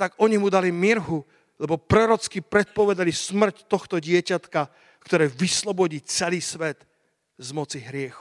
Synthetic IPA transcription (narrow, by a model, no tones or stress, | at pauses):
t̪aɡɔɲimud̪alimiɾɦu | lɛbɔpɾɔɾɔt͡skipɾɛt̪̚pɔʋɛd̪alismr̩ct̪ɔxt̪ɔɟɪɛcat̪ka | kt̪ɔɾɛːʋislɔbɔɟiːt͡sɛliːsʋɛt̪ | zmɔt͡siɦɾɪɛxu